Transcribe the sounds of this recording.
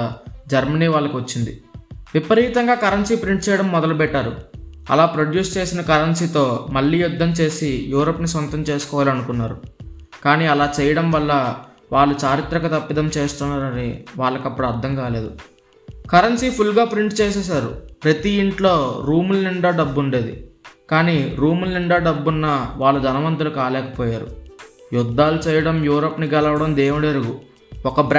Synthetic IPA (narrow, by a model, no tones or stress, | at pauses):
d͡ʒɐɾmɐniːʋaːɭːɐkiʋɐt͡ʃːind̪iʋipɐɾiːt̪ɐŋɡaːkɐɾɐnsiːpɾiɳʈ̚t͡ʃɛːjɐɽɐmːɔd̪ɐlɐpɛʈːaːɾuɐ̰laːpɾoɖjuːst͡ʃe̞ːsinɐkɐɾɐnsiːt̪o̞ːmɐɭːiːjud̪ːɐmt͡ʃe̞ːsijuːɾoːpːnisʋɐnt̪ɐmt͡ʃe̞ːsu̥kɔːʋaːliɐnukunːaːɾu | kaːniːɐlaːt͡ʃɛːjɐɽɐmʋɐɭːɐ | ʋaːɭːut͡ʃaːɾit̪ɾɐkɐt̪ɐpːid̪ɐmt͡ʃeːst̪unːaːɾɐnḭʋaːɭːɐkɐpːuɽɐɾd̪ʱɐŋkaːle̞ːd̪u | kɐɾɐnsiːpʰulɡaːpɾiɳʈt͡ʃeːs̬ɛːs̬aːɾṵpɾɐt̪iiɳʈloːɾuːmulniɳɖaːɖɐbːuɳɖe̞ːd̪ḭkaːniːɾuːmuliɳɖaːɖɐbːunːɐʋaːɭːud̪ʱɐnɐʋɐnt̪ɐlukaːlɛːkɐ̥pɔːjaːɾṵjud̪ːaːlut͡ʃɛːjɐɽɐmjuːɾoːpːniɡɛlɐʋɐɽɐmd̪eːʋuɽɾuɡu | ɔkɐbɾ